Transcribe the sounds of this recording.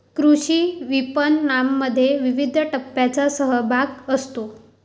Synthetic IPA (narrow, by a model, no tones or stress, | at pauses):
kɾuɕiːʋipənːamːəd̪ʱːjeʋiʋid̪ʱəʈəpːjat͡sasəɦəbʱaɡəst̪o